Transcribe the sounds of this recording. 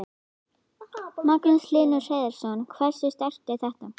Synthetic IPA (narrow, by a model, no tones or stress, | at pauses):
maknʏslɪːlnʏ̥reːðɛɾ̥sɔnkʰvɛr̥sɪst̪ɛhc̪aθɛht̪a